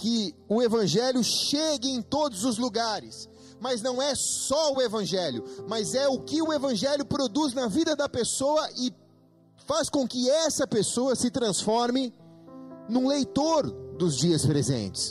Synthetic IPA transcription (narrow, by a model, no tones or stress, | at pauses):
kɪʊevɐ̃ʒɛljʊʃeɡɪẽj̃t̪od̪ʊzʊzluɡaɾɪs | mɐznɐ̃w̃ɛsɔʊevɐ̃ʒɛljʊmɐzɛʊkɪʊevɐ̃ʒɛljʊpɾod̪uznɐvid̪ɐd̪ɐpesoɐʔɪ | faskõkɪɛsɐpesoɐsɪt̪ɾɐ̃sfɔɾmɪ | nũlejt̪oɾd̪ʊzd͡ʒiɐspɾezḛ̃nt͡ʃɪ̥s